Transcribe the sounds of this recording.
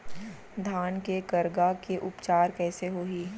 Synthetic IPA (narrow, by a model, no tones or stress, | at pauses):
d̪ʱaːnkekɐɾɡakeʔʊpt͡ʃaːɾkɛːseɦoɦiː